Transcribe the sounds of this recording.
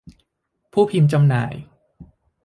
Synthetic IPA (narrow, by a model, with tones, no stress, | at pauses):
pʰuː˥˩pʰi˧mt͡ɕa˧mna̰ː˩˦j